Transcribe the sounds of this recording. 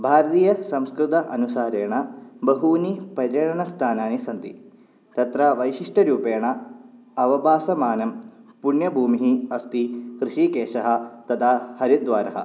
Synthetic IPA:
bʱaːɾɐt̪iːjɐsɐmskɾɨt̪ɐʔɐnusaːɾeːɳɐbɐɦuːnipɐɾjɐʈɐɳɐst̪ʰaːnaːnisɐnt̪ḭ | t̪ɐt̪ɾɐʋɐjʃiʂʈɐɾuːpeːɳɐ | ɐʋɐbʱaːsɐmaːnɐmpuɳjɐbʱuːmiɦiɐst̪ikɾɨʃiːkeːʃɐɦɐ̆t̪ɐt̪ʰaːhɐɾid̪ʋaːɾɐɦɐ̰

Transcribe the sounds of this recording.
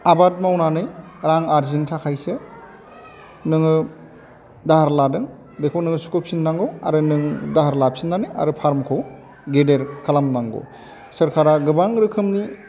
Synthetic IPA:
abat̚mawnanɯj | ɾaŋaɾzintʰakʰajsɯ | nɯŋɯ | dahaɾladɯŋ | bekʰownɯŋɯsu̥kʰɯpʰinːaŋɡowa̰ɾɯnɯŋdaɦaɾlapʰinːanɯja̰ɾɯpʰaɾmkʰow | ɡedeɾkalamnaŋɡo̰ | sɯɾkʰaɾaɡɯbaŋɾɯkʰɯmni

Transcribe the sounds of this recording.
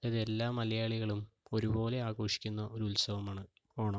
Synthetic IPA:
ɐðe̞lːaːmɐlɐjaːɭiɣɐɭumo̞ɾubo̞ːle̞aːɣo̞ːʂi̥kʲːunːɐʔo̞ɾulsɐʋɐmaːɳɨ | oːɳɐ

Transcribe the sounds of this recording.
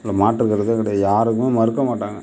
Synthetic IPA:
lːɐmaːʈːɪɾɯkːɪɾɐðɯkɐɽɛjajaːɾɯkːmemɐɾɯkːɐmaːʈːaːŋɡɐ

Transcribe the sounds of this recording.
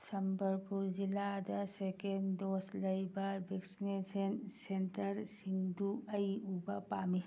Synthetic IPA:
sɐmbəɾpuɾd͡ʒilad̪ɐsekend̪oslɐjbabeksnesensenʈəɾsiŋɡd̪uɐiubapaːmi

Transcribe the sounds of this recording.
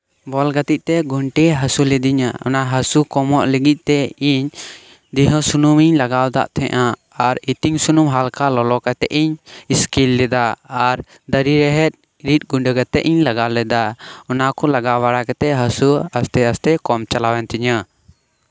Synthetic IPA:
bɔlɡat̪iʔ̚t̪ɛɡuɳʈiɦasulɛd̪iɲaɔ̰naɦasukɔmɔʔlɛɡit̪̚ˀt̪ɛiɲ | d̪iɦɔ̃sunumiɲlaɡawd̪a̰ʔt̪ʰɛ̰ʔa | aɾit̪iŋsunumɦalkalɔlɔkat̪ɛʔiɲiskilːɛd̪aːɾ | d̪əɾiɾɛɦɛt̪̚ˀ | ɾit̪̚ˀɡuɳɖəkat̪ɛʔiɲlaɡawlɛd̪aɔnakɔlaɡawaɽakat̪ɛɦasuast̪ɛast̪ɛkɔmt͡ʃalawɛnt̪iɲa

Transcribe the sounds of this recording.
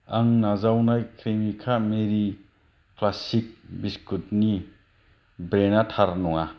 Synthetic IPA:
aŋnazawnajkʰɾimikʰameɾi | klasik̚biskutni | bɾenatʰaɾnɔŋa

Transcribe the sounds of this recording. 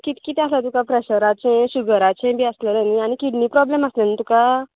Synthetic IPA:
kit̪kit̪ɛaslat̪ukapɾɛɕəɾat͡ɕẽɕuɡəɾat͡ɕẽbʱiəsləɾaniaɽ̃ikiʈniːpɾɔbleməslənit̪uka

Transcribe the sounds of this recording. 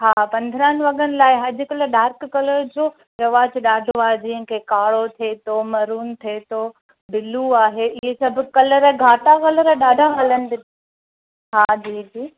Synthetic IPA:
ɦaːpɐ̃nd̪ʱəɾəːnɪ̆ʋɐɠənɪ̆laːɪɦɐd͡ʑʊkɐləɗaːɾkkɐləɾd͡ʑoː | ɾɐʋaːd͡ʑɗaːɖʱoaːɦed͡ʑĩːɦə̃kʰekaːɽot̪ʰeːt̪omɐɾuːnt̪ʰeːt̪oː | bɪluaːɦeʔɪɦesɐbʱʊkɐləɾɛɡʱaːʈakɐləɾɛɗaːɖʱaɦɐlənɪ̆b̪ɪ | ɦaːd͡ʑiːd͡ʑiː

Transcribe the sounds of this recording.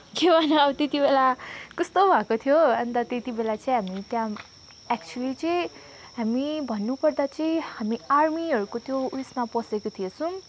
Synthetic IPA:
kewanaʌbʌt̪et̪ibelakʌst̪obʱakot̪ʰijoʌnt̪ʌt̪et̪ibelat͡sʌĩɦamit̪jã | ɛk̚t͡ʃualit͡sʌi | ɦamibʱʌnːupʌrd̪at͡sʌĩhamiarmiʌɾukot̪jousnapʌsekot̪ʰijesũ

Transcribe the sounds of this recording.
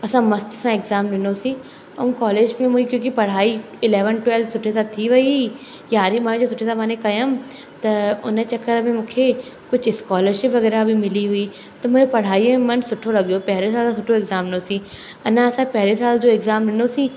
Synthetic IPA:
ɐsãmɐst̪sãɪɡzaːmɖɪnosĩ | ɐ̰mkɔːleːd͡ʒmẽmʊikjõːkipɐɽ̤aːi | ɪleːʋənʈwɛːlfsʊʈʰːesat̪ʰiʋɐi | jaːɾimãːd͡ʒosʊʈʰːesãmãːnẽkɐjəm | t̪ɐʊ̰nẽt͡ʃɐkːəɾɐbʱẽmʊ̃ːkʰe | kʊt͡ʃʰɪskɔːləɾʃɪpʋɐɡɣɛːɾabʱimɪliɦʊiː | t̪ɐmʊd͡ʒepɐɽ̤aːiemɐnsʊʈʰːolɐɡjopɛɦlesaːlãsʊʈʰoɪɡzaːmnosĩ | ɐnãɐsãpɛɦlesaːld͡ʒoːɪɡzaːmɖɪnosĩː

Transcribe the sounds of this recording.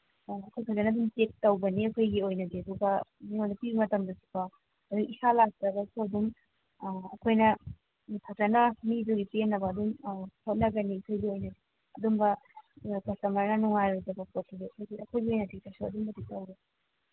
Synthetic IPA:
ɐkʰojkʰazɐnɐdumtek̚tɐwbɐniɐkʰojɡiojnɐɡiɐduɡɐniŋojnɐpibɐmɐtɐmdɐsi̥pɐ | ɐduɡisalak̚tɐbɐsʰuɐdum | ɐkʰojnɐ | kʰazɐnɐmiduɡipenːɐbɐːdumhot̚nɐɡɐniɐkʰojɡiojnɐɡi | ɐdumbɐ | kɐsɐmɐɾnɐnuŋajɾojzɐbɐpot̚ːɐɡiɐkʰojɡiɐkʰojɡiojnɐtik̚tɐsuɐ̰dumbɐtik̚tɐwɾe

